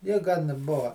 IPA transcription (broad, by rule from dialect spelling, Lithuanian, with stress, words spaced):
ˈjɪ ɡɐn ˈbʊʋɐ